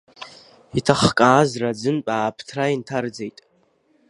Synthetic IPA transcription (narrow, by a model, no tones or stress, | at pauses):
itʰaχkʼaːzrad͡zɨnpʼaːpʰtʰraintʰard͡zejtʼ